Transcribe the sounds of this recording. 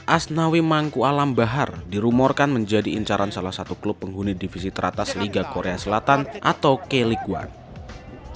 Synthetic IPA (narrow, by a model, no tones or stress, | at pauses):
ʔasnawimaŋkualambaɦardiɾumɔrkanməɲd͡ʒadiːɲt͡ʃaɾansalahsat̪uklʊpːəŋɦunidifisit̪əɾʔat̪asliɡakoɾeasəlat̪anʔat̪awkeliɡua̰n